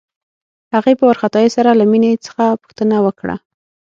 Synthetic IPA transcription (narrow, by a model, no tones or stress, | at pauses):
haɣepəwaɾxat̪ɑjesaɾalaminet͡sə̥xapu̥xt̪ənawəkɽa̰